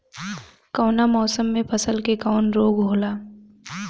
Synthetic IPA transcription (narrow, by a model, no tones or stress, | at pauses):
kɔːnamɔːsəmːẽpʰɐsəlkekaʊnɾoːɡɦoːlaː